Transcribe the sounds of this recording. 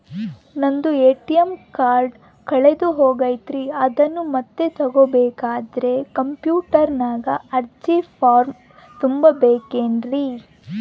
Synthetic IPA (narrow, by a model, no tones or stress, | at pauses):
nɐnd̪ueːʈijɐmkaːɾɖ | kɐɭed̪uɦoːɡɐːjt̪ɾiɐd̪ɐnːumɐt̪ːe̞t̪ɐɡobɛːkaːd̪ɐɾe̞kɐmpjuːʈɐɾnaːɡɐɐɾt͡ʃipaːɾm | t̪umbɐbeːkeːnɾi